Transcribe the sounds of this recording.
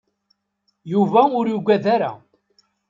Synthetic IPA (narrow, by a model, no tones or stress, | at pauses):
juvæʊɾjuɡʷæðaɾæ̰